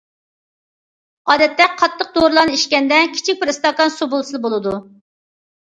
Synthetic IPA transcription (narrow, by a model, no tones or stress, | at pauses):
ɑːd̪ɛt̪ːɛqʰɑt̪ʰːəq̚d̪oɾlˠɑnɨiʃkʲɛnd̪ɛkʲʰi̥t͡ʃʰik̚ʲpɾɨst̪okɑnsubolˠsɨlˠbolˠɨd̪u